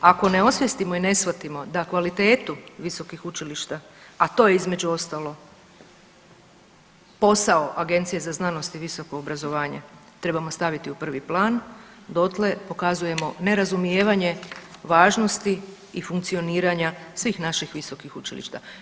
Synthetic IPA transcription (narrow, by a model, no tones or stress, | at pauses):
ako̞ne̞o̞sʋjest̪imo̞ine̞sʋat̪imo̞d̪akʋalit̪e̞ːt̪uʋiso̞kixut͡ʃiliʃt̪a | at̪o̞ːjeizme̞d͡ʑuo̞st̪alo̞ | po̞sao̞ʔaɡe̞nt̪sije̞zaznano̞st̪iʋiso̞ko̞ːbɾazo̞ʋaːɲḛt̪ɾe̞bamo̞st̪aʋit̪iupr̩ʋiplˠaːn | d̪o̞t̪le̞po̞kazuje̞mo̞ne̞ɾazumijeːʋaɲe̞ʋaːʒno̞st̪i | ifuŋk̚t̪sio̞niːɾaɲasʋiːxnaʃixʋiso̞kixut͡ʃḭlḭʃt̪a